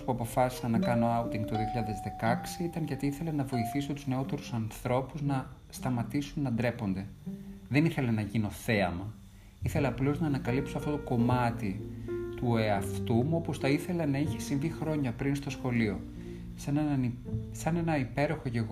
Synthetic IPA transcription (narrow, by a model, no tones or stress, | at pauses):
spuɐpo̞fɐsi̥sɐnːɐkɐno̞ɐwt̪iŋɡt̪oðio̞çiʎɐaðe̞zðe̞kɐksiit̪ɐnʝɐt̪iiθe̞lenɐvo̞iθiso̞t̪uzne̞o̞t̪e̞ɾusɐnθɾo̞puznɐst̪ɐmɐt̪isunːɐnd̪ɾe̞po̞nd̪e̞ðe̞niθe̞lenɐʝino̞θe̞ɐmɐ | iθe̞leɐplo̞znɐːnɐkɐlipso̞ɐft̪ot̪oko̞mɐt̪it̪uoeɐft̪umuo̞po̞sθɐiθe̞lɐnɐiçe̞siɱvixɾo̞ɲɐpɾinst̪o̞sxo̞lio̞ | sɐneɐsɐne̞nɐipe̞ɾo̞xo̞ʝe̞ɣ